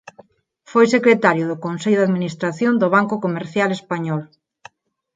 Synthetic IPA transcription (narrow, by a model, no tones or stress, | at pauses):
fojsekɾet̪aɾjʊðʊkonseʎʊðaðminist̪ɾaθjond̪ʊβ̞aŋkʊkomeɾθjalespaɲɔl